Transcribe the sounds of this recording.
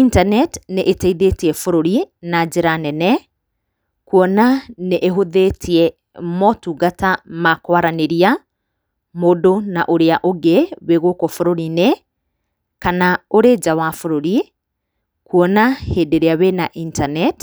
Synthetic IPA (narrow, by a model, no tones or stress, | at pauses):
intanɛtneʔetɛiðetiɛfoɾoɾinad͡ʒeɾanɛnɛ | kuɔnaneʔeɦoðetʰiɛ | mɔtuːɡatamakwaɾaneɾia | moːdonaʔoɾeaʔoɡeweɣokɔfoɾoɾine | kanaoɾed͡ʒawafoɾoɾi | kuɔnaheːdeɾeaβenaʔintanɛt